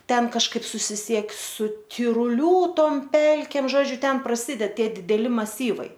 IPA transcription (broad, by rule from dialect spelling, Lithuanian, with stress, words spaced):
ˈtʲɛn kɐʃˈkɐɪp sʊsʲɪˈsʲiɛk sʊ tʲɪrʊˈlʲuː ˈtoːm ˈpʲɛlʲkʲeːm ˈʒoːd͡ʒʲʊ ˈtʲɛn prɐˈsʲiːdʲɛt ˈtʲiɛ dʲɪdʲɛˈlʲɪ mɐˈsʲiːʋɐɪ